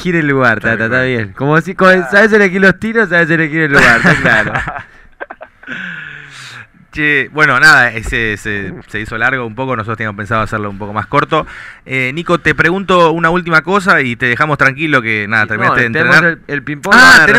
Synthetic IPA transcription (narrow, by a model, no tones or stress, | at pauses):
xiɾelːuɣaɾt̪at̪at̪aβjenkomosikosaβes̬elexilost̪iɾos̬aβes̬elexiɾelːuɣaɾt̪aklaɾo | t͡ʃebwe̞no̞naðaeseseseisolaɾɣo̞umpokonsot̪ɾt̪enjamopensaðoaseloumpo̞ko̞masko̞ɾt̪o̞eniko̞t̪epɾeɣunt̪o̞unault̪̬imako̞s̬ait̪eðexamo̞st̪ɾaŋkilo̞kenaðat̪eɾmĩnaeenɾennaɾelpimpoae